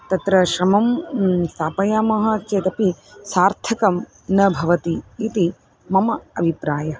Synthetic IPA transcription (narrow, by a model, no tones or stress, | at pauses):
t̪ɐt̪ɾɐʃɾɐmɐmst̪aːpɐjaːmɐɦɐ̆t͡ʃeːt̪ɐpisaːɾt̪ʰɐkɐm | nɐbʱɐʋɐt̪iːt̪i | mɐmɐɐbʱipɾaːjɐ